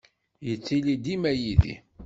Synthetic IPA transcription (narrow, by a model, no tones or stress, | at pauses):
jət͡sːilid̪imæjiðḭ